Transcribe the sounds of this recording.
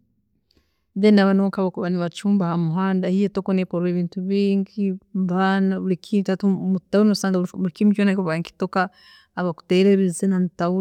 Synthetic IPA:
ðenaβanoŋkaβakuβaniβat͡ʃuːmbahamuɦaːndahijetokonepoɾeβiːntuβiːɲɟiβanaβuɾikʰitatumutawuɾusaːŋɡaβuɾikimit͡ʃonaikuβaŋki̥tokaː | βaku̥teɾeβizenamutauɾ

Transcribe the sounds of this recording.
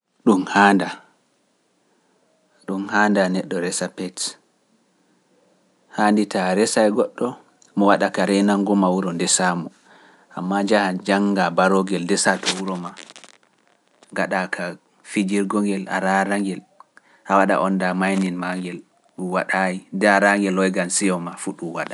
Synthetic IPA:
ɗumhanda | ɗumhaːndanɛɗːɔɾɛsapɛt | handitaɾɛsajɡɔɗːɔ | mɔwaɗakaɾɛnaŋɡɔmawuɾɔndɛsamɔ | ʔa̰mːad͡ʒahad͡ʒaŋɡabaɾɔɡɛldɛsatɔwuɾɔma | ŋɡaɗakʰa | fid͡ʒiɾɡɔŋɡɛla̰ɾaɾaŋɡɛl | ʔawaɗa̰ʔɔndamajninmaŋɡɛl | ɗuwaɗajindɛaɾaŋɡɛlɔjɡansijɔmafuɗumwaɗa

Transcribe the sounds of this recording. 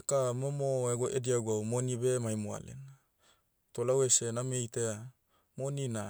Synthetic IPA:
ekamomoeɡoʔediaɡawmonibemajmoa̰lḛn | tolawesenamejtea | monina

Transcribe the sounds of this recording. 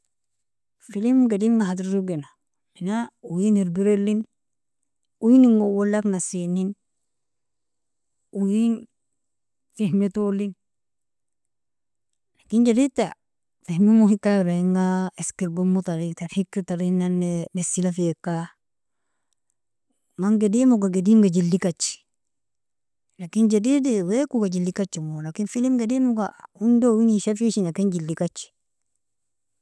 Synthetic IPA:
filimɡadimŋaɦatiɾɾuɡena | minaujiniɾbiɾelin | ujiniŋɡowolːaknasinin | ujin | fehmetolin | lakind͡ʒaɾitːa | fehmimuhikːaɾaiŋɡaɛskiɾbomːutaɾitaɾhikːitaɾinːanːebesilafekːa | maŋɡedimuɡaɡediŋɡad͡ʒilːikat͡ʃːi̥ | lakind͡ʒadidiwekuɡad͡ʒilːikat͡ʃːimolakinfilimɡedimuɡaundowiŋiʃafiʃinakind͡ʒilːikat͡ʃːi̥

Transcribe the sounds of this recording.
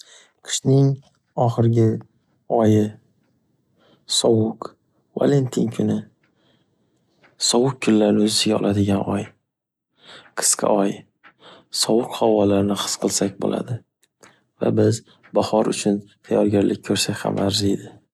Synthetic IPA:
qʰɨ̥ʃnɪŋ | ɒχɨɾɪɡʲɪ | ɒjɪ | sɒwʊq | va̰le̞nt̪ʰinkʲʰʊnɪ | sɒwʊk̚kʰːʊlːaɾnɪɵzɪsɪɡʲaɒ̰lˠʔad̪ɪɡʲanɒj | qʰɨ̥sqʰɑ̰ɒj | sɒwʊqhɒwɒlaɾɪnɪχɨ̥sqʰɨlˠsakʲbo̰la̰d̪ɪ | va̰bɪz | bahɒɾʊ̰t͡ʃʰʊnt̪ʰajɒɾɡʲaɾlʔɪk̚ʲkʰɵɾsakʲha̰mʔaɾzed̪ɪ

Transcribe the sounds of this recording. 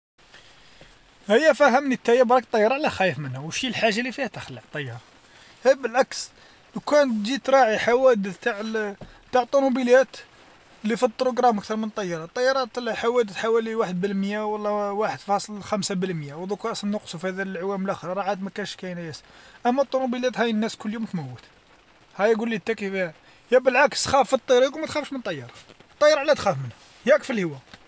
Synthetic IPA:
həjːæfæɦəmnit̪ːæjæbɾˤɑk̚t̪ˤːɑjːɑɾˤɑʕlæxæjəfmənhæwʃilħaʒːalifihæt̪əxəlːəʕt̪ˤːɑjːɑɾˤ | hæbəlʕaks | nkænd͡ʒit̪ɾˤɑʕiħawæd̪ət̪aʕ | t̪aʕət̪ˤːunubəljæt̪ | lifit̪ˤːɾuɡɾˤɑmʔækt̪ɑɾˤmənt̪ˤːɑjːɑɾˤɑt̪ˤːɑjːɑɾˤɑt̪lħawæd̪əθħawæliwaħəd̪̚bəlmjæwɑlˤːɑwaħəd̪fɑsˤəlxæmsabəlmjæwd̪ˤukɑsnːʊqsufihæd̪ælʕwæməlʔæxəɾˤɑɾˤɑʕad̪mækænʃkæjnæjæsʔæmːæt̪ˤːunubəljæt̪hæjnːæskʊlːjumt̪mæwːət̪ | hæjæɡulːit̪ːækifihæ | jæbəlʕaksxæfːit̪ˤːiɾiqmæt̪xæfʃmənt̪ˤɑjːɑɾˤɑ | t̪ˤːɑjɑɾˤɑʕlːæt̪xæfmənhæ | jækfilhəwæ

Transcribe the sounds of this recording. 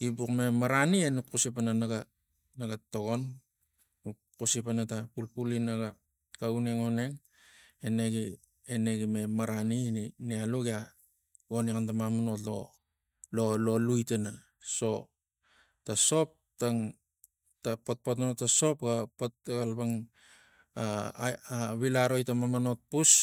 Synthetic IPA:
ɡibukme̞maɾanienupkusipananaɡa | naɡatoɡo̞n | u | kusipanatapulpulinaɡa | kauneŋoneŋ | ene̞ɡi | ene̞ɡime̞maɾanininealuɡia | ɡonikantamamuno̞to̰ | lolo̞lujtena | so̞ | taso̞p̚ | taŋ | tapot̚potnonotaso̞pɡapot̚ɡalbaŋ | aaβilaɾo̞jtamamanot̚pus

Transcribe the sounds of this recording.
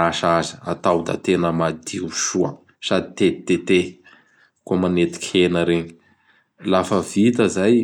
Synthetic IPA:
aʃazəa̰t̪awd̪a̰t̪enəmad̪iuʃuə̰ | sad̪it̪et̪et̪e | komanet̪i̥kʲʰenəɾeɲi̥ | lafəvit̪əzaj

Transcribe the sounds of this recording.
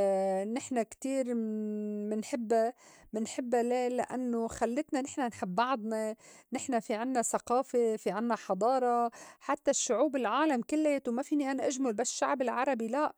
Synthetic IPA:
nɪħnakt̪iːɾ | mɪnħɪbːamɪnħɪbːaleːlːaʔanːoxalːɪt̪nanɪħnanħɪbːɑʕd̪ˤnɑnɪħnafiʕɪnːasaqɑːfefiʕɪnːaħɑd̪ˤɑːɾˤɑħat̪ːaʃːʊʕuːbɪlʕaːlamkɪlːeːt̪wmafiːniʔanaʔaʒmʊlbasʃːaʕbɪlʕɑɾˤɑbilaʔ

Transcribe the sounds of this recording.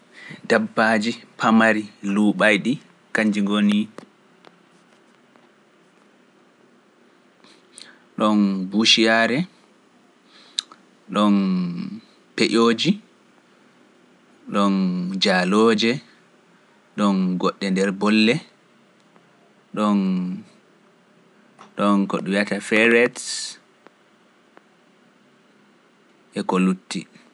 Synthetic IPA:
dabːaːd͡ʒipʰamaɾiluːɓajɗi | kaɲd͡ʒiŋɡoni | ɗɔnbuʃijaɾɛ | ɗɔn | peʔoːd͡ʒi | ɗɔnd͡ʒaloːd͡ʒɛ | ɗɔnɡɔɗːɛndɛɾbɔlːɛ | ɗɔn | ɗɔnkɔ̰ɗujatafɛɾɛts | ʔɛkolutːḭ

